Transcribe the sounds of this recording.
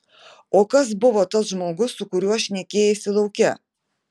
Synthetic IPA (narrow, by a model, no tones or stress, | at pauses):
oːkɐs̬bʊʋɔːt̪ɐsʒmoːɡʊsːʊkʊɾʲuɔʃʲnʲɛkʲeːjɛsʲɪlˠɐʊkʲɛ